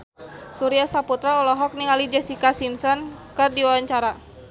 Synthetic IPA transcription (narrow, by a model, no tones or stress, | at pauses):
suɾiasaput̪ɾaɔlɔɦɔk̚niŋalid͡ʒɛsikasimsɔnkɨrdiwawaɲt͡ʃaɾa